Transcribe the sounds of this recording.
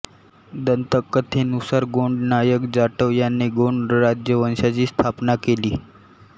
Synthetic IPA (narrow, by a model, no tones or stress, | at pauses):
d̪ənt̪əkːət̪ʰenusəɾɡoɳɖnajəkd͡zaʈəʋjanːeɡoɳɖɾad͡ʑjəʋənɕat͡ɕiːst̪ʰapnakeliː